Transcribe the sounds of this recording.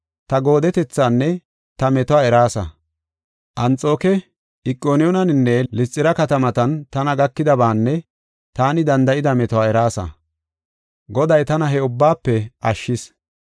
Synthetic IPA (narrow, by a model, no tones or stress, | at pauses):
t̪ɐɡo̞ːd̪ɛt̪ɛt͡sːaːnːɛ | t̪ɐmɛt̪ɔwaːɛɾaːsɐ̰ | ʔɐnt͡sʼo̞ːkɛ | ɪkʼːoːnɪjɔnɐnɪnːɛlɪt͡sʼːɪɾɐkɐt̪ɐmɐt̪ɐnt̪ɐnɐɡɐkːɪd̪ɐbaːnːɛ | t̪aːnɪd̪ɐnd̪ɐʔɪd̪ɐmɛt̪ɔwaːɛɾaːsɐ̰ | ɡɔd̪ɐjt̪ɐnɐɦɛʊbːaːpːɛʔɐʃːɪs